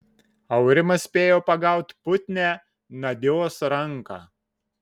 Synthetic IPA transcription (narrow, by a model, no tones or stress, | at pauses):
ɐʊɾʲɪmɐsʲpʲeːjoːpɐɡɑˑʊt̪ʲpʊt̪ʲnʲæ | nɐd̪ʲɪoːsɾɐŋˑkɑ̰ː